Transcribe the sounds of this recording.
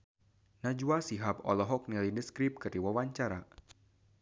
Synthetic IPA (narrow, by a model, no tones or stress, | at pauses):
nad͡ʒuasiɦapɔ̰lɔɦɔk̚nilidəskɾip̚kɨrdiwawaɲt͡ʃaɾa